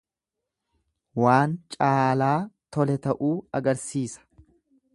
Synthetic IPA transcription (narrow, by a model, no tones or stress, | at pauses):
waːnt͡ʃʼaːlaːt̪ɔlɛt̪ɐʔuːɐɡɐɾsiːsɐ̥